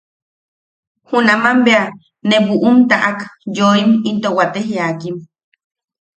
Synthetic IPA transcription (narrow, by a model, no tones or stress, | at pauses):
hunamambea | neβuʔumt̪aʔakjoːimint̪owat̪eɦjaːkim